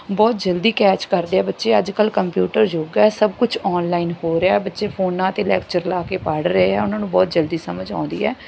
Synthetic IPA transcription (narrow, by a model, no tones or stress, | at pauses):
bɔːt̪̚d͡ʒəld̪iːkɛːt͡ʃkəɾd̪eːɛːbətːʃeːəd͡ʒkəlkəmpjuːʈəɾd͡ʒoːɡɛːsəb̚kʊt͡ʃʰɔːnlaːinhoːɾeaːɛːbətːʃeːpʰoːnãːt̪eːlɛːkt͡ʃəɾlaːkeːpaɽɾəeɛ̰ːʊnãːnũːbɔːt̪̚d͡ʒəld̪iːsəməd͡ʒã̰ːnd̪ḭːɛ̰ː